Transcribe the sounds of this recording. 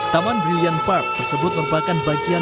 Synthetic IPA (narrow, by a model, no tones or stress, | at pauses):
t̪amanrijanpak̚t̪ərsəbʊt̪̚məɾupakanbaɡia